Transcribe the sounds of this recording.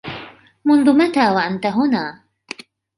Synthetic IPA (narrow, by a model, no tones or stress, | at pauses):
mʊnd̪umat̪awaʔant̪aɦuna